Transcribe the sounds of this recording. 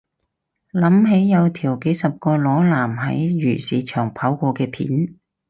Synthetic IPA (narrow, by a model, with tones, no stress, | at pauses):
lɐ˨˥mɦe˨˥jːɐ˨˧wt̪ʰiː˨˩wke˨˥jsɐ˨p̚kɔː˧lɔː˨˥laː˨˩mɦɐ̰˨˥jɥyː˨˩siː˨˧t͡ʃʰœː˨˩ŋpʰaː˨˥wkʷɔː˧kɛː˧pʰḭː˨˥n